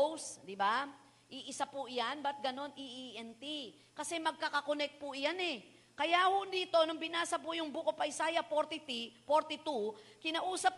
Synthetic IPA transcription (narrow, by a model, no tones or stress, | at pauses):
wsd̪ɪba | ʔiʔɪsapʊʔjanbɐt̪̚ɡɐno̞niʔiʔɛnt̪i | kɐsɛmɐɡ̚kakɐkonɛk̚t̪̚pʊʔjanɛ | kɐjaʔhʊd̪iːt̪o̞nʊŋbɪnaːsɐpʊjʊŋbukopɐɪsaːjɐpoɾt̪ɪt̪ifoɾt̪ɪt̪ukɪnaʔuːsɐp̚